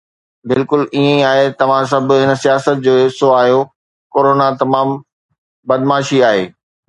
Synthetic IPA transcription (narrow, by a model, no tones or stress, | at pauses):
bɪlkʊliːẽaːɦet̪ɐʋ̤ãs̬ɐbʱɦɪnə̆sijaːsət̪̚d͡ʑoːɦɪsoaːɦijo | koːɾoːnat̪ɐmaːm | bɐd̪maːʃiaːɦeː